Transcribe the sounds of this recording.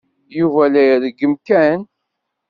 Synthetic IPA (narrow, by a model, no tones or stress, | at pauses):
juvælæjəðəɡəmkæn